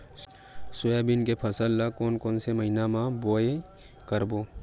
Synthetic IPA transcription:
sʊjabinkepʰɐsəlːakoːnkoːnsemɐɦinamãboːe | kəɾboː

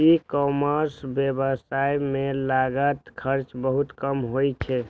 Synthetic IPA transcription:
ikɔməɾsbjebəsajmelaɡət̪kʰəɾt͡ʃbəɦut̪kəmɦojt͡ʃʰɛ

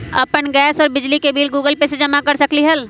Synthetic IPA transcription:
ɐpənɡɛːsɔːɾbɪd͡ʒlikebiːlɡuːɡəlpesed͡ʒɐmakɐɾsɐkliɦɐl

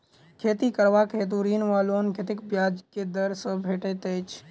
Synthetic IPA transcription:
kʰeːt̪ikəɾʋakʰet̪̬uɾiːnʋaːlonkʰet̪ɪkbjaːd͡ʒked̪əɾsəbʱeːʈet̪et͡ʃʰ

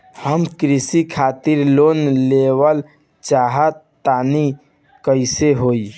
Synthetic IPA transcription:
həmkɾisikʰat̪iɾlonlewəl | t͡ʃaɦət̪ːani | kəɪseɦoj

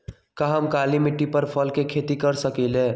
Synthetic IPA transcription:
kaɦəmkalimiʈːipəɾpʰəlkekʰet̪ikəɾsəkɛle

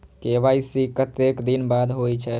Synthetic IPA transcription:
kebaisikət̪ekd̪inbad̪ʱɦojt͡ʃʰɛ

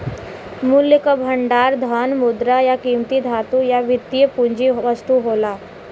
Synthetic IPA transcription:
mulːjikəbʱəɳɖaɾd̪ʱənmud̪ɾajakiːmt̪id̪ʱat̪ujaʋit̪ːijəpuɲd͡ʒiʋəst̪uɦola

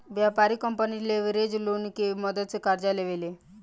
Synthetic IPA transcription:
ʋjapaɾikəmpənileʋeɾed͡ʒlunkemɔd̪ət̪̚t͡sekaɾd͡ʒaleʋele

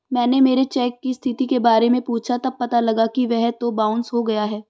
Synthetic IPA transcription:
mɛ̃ːnemeːɾet͡ʃɛːkːist̪ʰɪt̪ikebaːɾemẽpuːt͡ʃʰat̪ɐb̚pɐt̪alɐɡakiʋɛɦt̪obãːʊnsɦoɡɐjaɦɛː

